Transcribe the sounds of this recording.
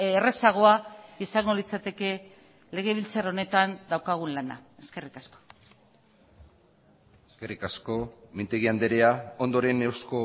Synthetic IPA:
ere̞saɣ̞o̞aisaŋɡo̞lit͡sat̪e̞ke̞ | le̞ɣ̞e̞β̞ilt͡saro̞ne̞t̪and̪awkaɣ̞unlana̰e̞ske̞rikasko̥ | eskerikasko̞mint̪eɣiand̪e̞ɾeao̞nd̪o̞ɾe̞newsko

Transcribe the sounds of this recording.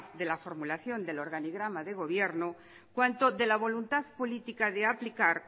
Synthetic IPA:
ðe̞lafo̞ɾmulaθjo̞nd̪e̞lo̞ɾɣaniɣɾamaðe̞ɣo̞βje̞ɾno | kwant̪o̞ðe̞laβ̞o̞lunt̪aðpo̞lit̪ikaðe̞aplikaɾ

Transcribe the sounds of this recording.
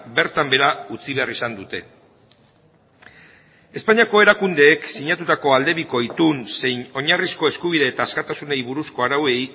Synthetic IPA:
be̞ɾt̪ambe̞ɾaut͡siβ̞e̞arisand̪ut̪e̞ | e̞spaɲiako̞e̞ɾakund̪e̞ːksiɲat̪ut̪ako̞ald̪e̞βiko̞it̪unse̞jno̞ɲarisko̞e̞skuβ̞iðe̞ːt̪aːskat̪asune̞jβuɾusko̞aɾawe̞j

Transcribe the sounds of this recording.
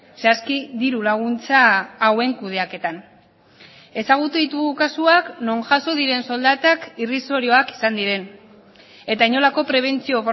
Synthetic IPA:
saskiðiɾulaɣ̞unt͡saːwe̞ŋkuð̞e̞ake̞t̪an | e̞saɣ̞ut̪uðit̪uɣukasuakno̞ŋʝaso̞ðiɾe̞nso̞ld̪at̪akiriso̞ɾioaki̥sand̪iɾe̞n | e̞t̪aiɲo̞lako̞pɾe̞β̞e̞nt͡sio̞f

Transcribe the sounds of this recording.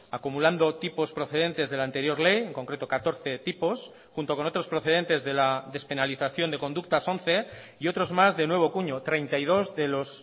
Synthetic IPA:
akumuland̪o̞t̪ipo̞spɾo̞θe̞ðe̞nt̪e̞zð̞e̞laːnt̪eɾjo̞ɾle̞je̞ŋko̞ŋkɾe̞t̪o̞kat̪o̞ɾθe̞t̪ipo̞s | xunt̪okono̞t̪ɾo̞spɾo̞θe̞ð̞e̞nt̪e̞zðe̞laðe̞spe̞naliθaθjo̞nd̪e̞ko̞nd̪uk̚t̪aso̞n̟θe̞ | io̞t̪ɾo̞zmazðe̞nwe̞β̞o̞kuɲo̞t̪ɾe̞jnt̪aið̞o̞zðe̞lo̞s

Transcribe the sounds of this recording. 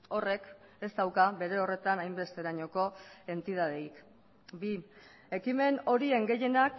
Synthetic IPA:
o̞re̞ke̞st̪awkaβe̞ɾe̞o̞re̞t̪anajmbe̞st̪e̞ɾaɲo̞ko̞e̞nt̪ið̞að̞eik | bi | e̞kime̞no̞ɾie̞ŋɡe̞je̞nak

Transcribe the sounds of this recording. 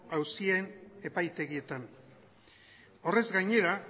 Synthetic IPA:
awsiene̞pajt̪e̞ɣie̞t̪an | o̞re̞zɡajɲe̞ɾa

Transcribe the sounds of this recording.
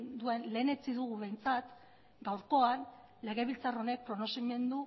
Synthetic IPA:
nd̪ue̞nle̞ːne̞t͡siðuɣuβe̞jnt͡sat̪ | ɡawɾko̞an | le̞ɣe̞βilt͡saro̞ne̞k̚pɾo̞nosime̞nd̪u

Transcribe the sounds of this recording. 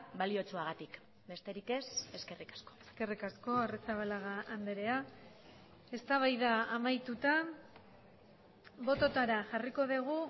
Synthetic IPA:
balio̞t͡suaɣ̞at̪ik | be̞st̪e̞ɾike̞se̞ske̞rikḁsko̥eske̞rikasko̞aresaβalaɣaand̪e̞ɾe̞a | e̞st̪aβ̞ajðaːmajt̪ut̪a | βo̞t̪o̞t̪aɾaʝariko̞ðiɣ̞u

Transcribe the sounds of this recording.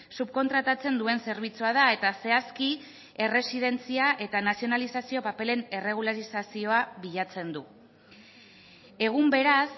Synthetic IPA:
supko̞nt̪ɾat̪at͡se̞nd̪ue̞nse̞ɾβ̞it͡suaðae̞t̪ase̞aski | e̞re̞sið̞e̞nt͡siaʔe̞t̪anasio̞nalisasio̞pape̞le̞ne̞re̞ɣ̞ulaɾisasio̞aβiʎat͡se̞nd̪u | e̞ɣ̞umbe̞ɾas

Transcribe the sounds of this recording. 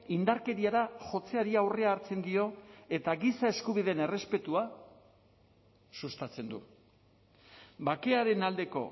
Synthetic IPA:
ind̪aɾke̞ɾiaɾaʝo̞t͡se̞aɾiawre̞aːɾt͡se̞nd̪io̞e̞t̪aɣisae̞skuβ̞iðe̞ne̞re̞spe̞t̪ua | sust̪at͡se̞nd̪ṵ | bake̞aɾe̞nald̪e̞ko̞̰

